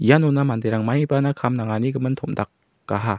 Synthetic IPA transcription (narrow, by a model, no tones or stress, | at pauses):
ijanunamand̪ejɾaŋmajbanakʰamnaŋaniɡɯmɯnt̪ʰomdak̚ː | aɦa